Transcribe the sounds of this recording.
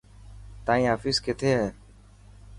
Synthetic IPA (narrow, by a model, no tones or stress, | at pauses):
t̪ãːĩːɦaːfiːsket̪ʰeːɦɛː